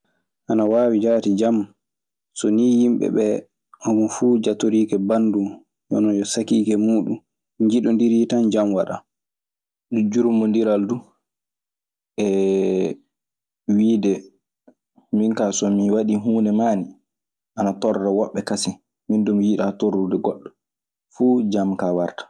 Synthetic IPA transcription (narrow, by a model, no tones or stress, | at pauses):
ʔanawaːwid͡ʒatid͡ʒam | sɔnijimɓɛ̰ɓɛ | ʔɔmunfuːd͡ʒatoɾiːkɛbandum | jɔ̰nɔd͡ʒɔsakiːkɛmuːɗum | ɲd͡ʒiɗɔndiɾitand͡ʒamwaɗa̰ | dud͡ʒuɾumːɔndiɾaldu | ʔɛ | wiːdɛ | minkasɔmiwaɗiɦuːnɛmaːni | ʔanatɔɾːɛwɔɓːɛkasi | mindumwiːɗatorːudɛɡɔɗːɔ | fuːd͡ʒamkawaɾtḁ